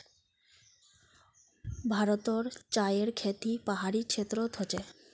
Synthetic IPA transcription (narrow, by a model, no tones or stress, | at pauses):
bʱaɾot̪oɾt͡ɕajeɾkʰet̪ipaɦaɾit͡ɕʰet̪ːɾot̪ot͡ɕe